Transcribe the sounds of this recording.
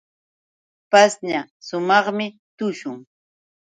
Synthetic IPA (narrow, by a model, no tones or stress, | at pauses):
pasɲasʊmɑχmɪ | t̪ʊʃʊŋ